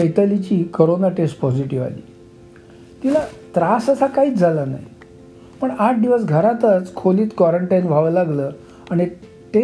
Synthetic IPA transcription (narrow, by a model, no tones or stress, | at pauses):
əjt̪əlit͡ɕiːkəɾonaʈesʈpɔd͡ʑiʈiʋa̰lḭː | t̪ilat̪ɾasəsakaiːt͡sd͡zʱalana̰ɦj | pəɳaʈ̚ʰd̪iʋəs̬ɡʱəɾat̪ət͡skʰoliːt̪kwɔɾəɳʈajnʋ̤ʱaʋəlaɡləː | aɽ̃i | ʈe